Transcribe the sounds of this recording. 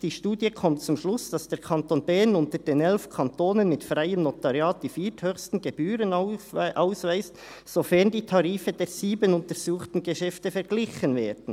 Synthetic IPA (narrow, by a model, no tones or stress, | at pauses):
d̥iːʃtuːdjəkʰɔmtt͡sʊmʃlʊsd̥ɑsd̥eːʁkʰɑntonbɛnʊntəɾdeːnɛlfkʰɑntoːnənmɪtfrʁaɪəmnotɑʁjɑːt̚d̥iːfiːthøçstn̩ɡebyːɾənʔaʊsvaɪst | sofɛʁndiːtʰɑʁiːfədeːziːbənʊntəɾz̥uːχtn̩ɡeʃɛftəfɛɾɡlɪçənveːɾdn̩